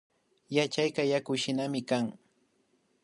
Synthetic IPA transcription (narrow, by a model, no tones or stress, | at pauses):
jat͡ʃajkɑjakʊʃɪnamɪkaŋ